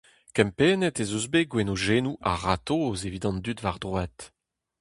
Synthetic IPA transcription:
kɛ̃mpeːnɛtezuzbeɡwenoʒeːnuʔa̰ʁatozevid̪ɑ̃ndytvaʁd̪ʁwɛt̪

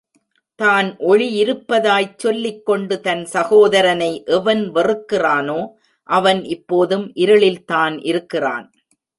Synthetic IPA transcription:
t̪aːnʔɔɻijɪɾɯpːɐðaːjt͡ʃːɔlːɪkːɔɳɖɯt̪ɐnsɐɣoːðɐɾɐnɐɪʔɛʋɐnʋɐrɯkːɪraːnoː | ʔɐʋɐnɪpːoːðɯmʔɪɾɐɭɪlt̪aːnʔɪɾɯkːɪra̰ːn

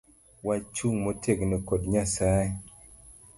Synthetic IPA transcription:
wat͡ʃuŋmotʰeknekodɲasaj

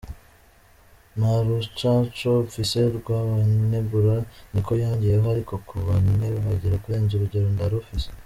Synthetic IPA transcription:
maɾut͡ʃat͡ʃofise̞ɾɡwaːβanuneβuɾaniko̞jaːɲɟijehohaɾiko̞kuβanneβhaɟiɾakuɾe̞ːnzuɾuɟe̞ɾo̞ndaɾufise

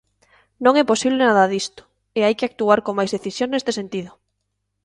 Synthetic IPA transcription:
nõŋɛposiβlenaðaðist̪ʊ̥ | eajkɪak̚t̪uaɾkomajzðeθisjoŋnest̪esent̪iðʊ

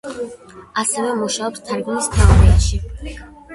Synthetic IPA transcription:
asɛvɛmuʃaɔpst̪ʰaɾɡunist̪ʰaʁnɛɛt̪ʃi

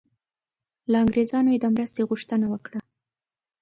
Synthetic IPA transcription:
laɑŋɡɾezɑnojed̪əmɾəst̪eɣuʂt̪ənawəkɽa

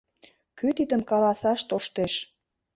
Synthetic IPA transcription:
kyt̪id̪ə̆mkɑlɑsɑʃt̪oʃt̪eʃ

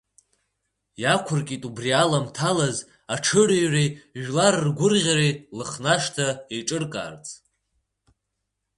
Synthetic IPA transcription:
jakʷʰʊrkʲʼitʼubrialamtʰalaz | aʈ͡ʂʰɨrijriʒᶣlarɨrɡʷʊrʁʲaɾilɨχnaʂtʰaeʈ͡ʂʼɨrkʼa̰ːrt͡sʼ

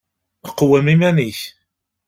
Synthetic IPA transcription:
əqːwæmimæniç

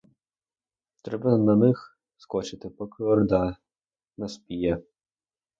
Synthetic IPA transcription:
t̪ɾɛbɐnɐnɪx | skɔt͡ʃɪt̪ɪpɔkɪɔrd̪ɑ | nɐspʲijɛ

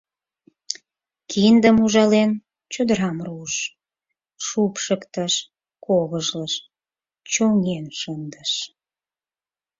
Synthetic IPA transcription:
kʰind̪əmuʒɑlen | t͡ɕod̪əɾɑmruʃ | ʃupʃəkt̪əʃ | koɣəʒləʃ | t͡ɕoŋenʃənd̪əʃ

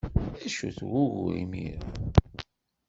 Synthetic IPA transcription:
æʃuθɣʊɣʊ̰ɾḭmḭɾ

